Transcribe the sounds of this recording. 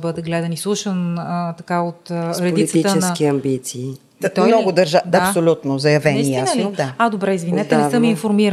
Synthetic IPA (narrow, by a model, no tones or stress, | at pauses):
bɤd̪əɡlɛd̪ɐnislˠuʃənət̪ɐkaot̪ɾɛd̪iit̪it̪t͡ʃɛnkiɐmbit̪siː | d̪at̪ɔjmnɔɡʊd̪ɐɾʒaap̪olʲut̪nozɐjɐvɛnziaɛld̪aad̪obɾɛizvinɛt̪ɛnɛəmiinfoɾmiɾ